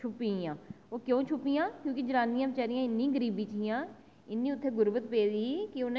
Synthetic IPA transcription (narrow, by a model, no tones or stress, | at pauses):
t͡ʃʰʊpiãː | oːkjõːt͡ʃʰʊpiːjãːkjõːkɪd͡ʒəlaːnːĩːãːʋɪt͡ʃaːɾijãːɪnːĩːɡəɾiːbiːt͡ʃijãː | ɪnːĩːʊt̪ʰːeːɡʊɾʋət̪peːdiːkɪʊn